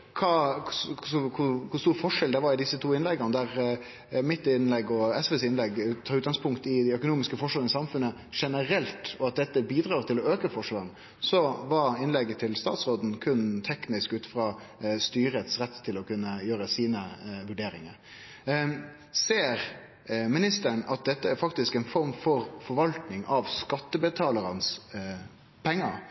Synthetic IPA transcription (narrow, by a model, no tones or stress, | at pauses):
kʰɑːkʰʊsɔkʰʊkʰʊst̪uːɾfɔʂɛld̪ɛʋɑɾɪd̪ɪsːət̪ʰuːɪnlɛɡənəd̪æɾ | mɪt̪ːɪnlɛɡːɔɛsʋɛsɪnlɛɡt̪ʰɑːʉːt̪̚ɡɑŋspʰʊŋkt̪ɪd̪æɪœkʊnuːmɪskəfɔʂʋɑɾənəsɑmfʉnə | ʂɛnəɾɛlt̪ɔɑt̪̚d̪ɛt̪ːəbiːd̪ɾɑːɾt̪ʰɪlɔøːkəfɔʂʋɑɾn | sɔʋɑɾɪnlɛɡːət̪ʰɪlst̪ɑ̰ːt̪sɾoːd̪n̩kʰʉnt̪ʰɛknɪskʉːt̪fɾɑː | st̪yːɾət̪sɾɛt̪ːt̪ʰːɪlɔkʉnːəjøːɾəsiːnəʋʉɖeːɾɪŋəɾ | seːɾ | mɪnɪst̪əɳɑt̪̚d̪ɛt̪ːəæɾfɑkt̪ɪskɛɪnfɔɾmfɔɾfɔɾʋɑlt̪nɪŋʔɑʋskɑt̪ːəbət̪ʰɑːləɾɑns | pʰɛŋːəɾ